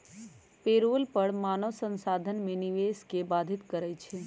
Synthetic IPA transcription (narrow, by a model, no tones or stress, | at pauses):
peɾolpəɽmanəʋsənsad̪ʱənmeniʋeskebad̪ʱit̪kəɾɛjt͡ʃʰɛ